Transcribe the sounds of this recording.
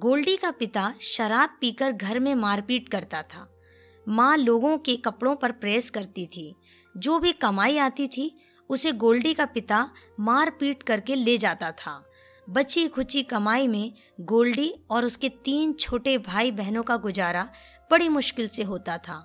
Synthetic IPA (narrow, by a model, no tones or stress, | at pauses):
ɡoːlɖikapɪt̪aʃɐɾaːb̚piːkəɾɡʱɐɾmẽmaːɾpiːʈkɐɾt̪at̪ʰaː | mãːloːɡõkekɐpɽõpɐɾpɾeːskɐɾt̪it̪ʰiː | d͡ʒoːbʱikɐmaːiaːt̪it̪ʰi | ʊseɡoːlɖikapɪt̪amaːɾpiːʈkɐɾkeled͡ʒaːt̪at̪ʰaː | bɐtːʃikʰʊt͡ʃikɐmaːimẽ | ɡoːlɖiɔːɾʊsket̪iːnt͡ʃʰoːʈebʱaːibɛɦnõkaɡʊd͡ʒaːɾa | b̥ɐɽimʊʃkɪlseɦoːt̪at̪ʰa̰ː